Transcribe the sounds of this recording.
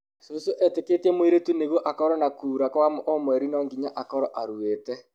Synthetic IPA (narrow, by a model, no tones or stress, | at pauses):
sosoʔɛteketiemwiɾetuneɣoʔakɔɾɔnakuːɾakwamoʔɔmwɛɾinɔːŋɡiɲaʔakɔɾɔʔaɾuetɛ